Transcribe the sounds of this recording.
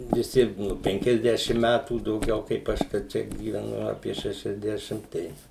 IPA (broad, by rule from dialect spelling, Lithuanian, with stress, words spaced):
ʋʲɪˈsʲɪ ˈnʊ ˌpʲɛŋʲkʲɛzʲˈdʲæːʃʲɪm ˈmʲætuː dɐʊˈɡʲɛʊ kɐɪp ˈɐʃ kɐ ˈt͡ʃʲɛ ɡʲiːʋʲɛˈnʊ ˈɑːpʲiɛ ˌʃʲæːʃʲɛzʲˈdʲæːʃʲɪm ˈtɐɪ